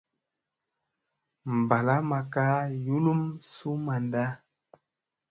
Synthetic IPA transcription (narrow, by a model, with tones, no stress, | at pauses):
m̩˨ba˨la˦ma˨ka˦ju˦lu˦msu˦ma˨nda˦